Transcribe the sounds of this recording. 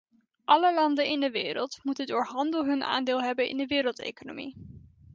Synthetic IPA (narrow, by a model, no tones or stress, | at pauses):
ʔɑləlɑndənɪndəʋeːɾə̰lˠtmutəndʊːɹɦɑndəlˠɦɵnʔa̰ːndeːlˠɦɛbənɪ̰ndəʋɪːɾəlˠtḛjkono̰mḭ